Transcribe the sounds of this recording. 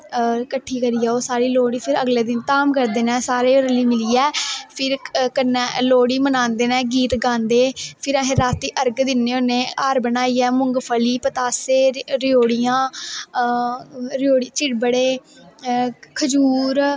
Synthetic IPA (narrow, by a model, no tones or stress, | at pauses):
kəʈʰːiːkəɾiːɛːoːsaːɾiːloːɽiːpʰɪɾəɡlɛːd̪ɪnt̪aːmkəɾd̪eːnɛ̃ːsaːɾeːoɾəliːmɪliːɛːpʰɪɾkənɛːloːɽiːmənãːnd̪eːnɛ̃ːɡiːt̪ɡãːnd̪eːpʰɪɾaɦẽːɾaːt̪ːiːʔəɾɡd̪ɪnːeːonẽːaːɾbənaːiːɛːmʊ̃ŋɡpʰəliːpət̪aːseːɾɪjoːɽijãː | ɾjoːɽiːt͡ʃɪɽbəɽeː | kʰəd͡ʒuːɾ